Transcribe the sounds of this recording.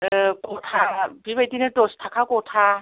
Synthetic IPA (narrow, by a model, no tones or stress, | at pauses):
kotʰabibet̪inɯtostʰakʰakotʰa